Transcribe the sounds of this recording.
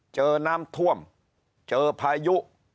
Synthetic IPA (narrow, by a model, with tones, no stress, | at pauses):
t͡ɕəː˧na˧mt̪ʰu˧əm | t͡ɕəː˧pʰa˧ɛjuʔ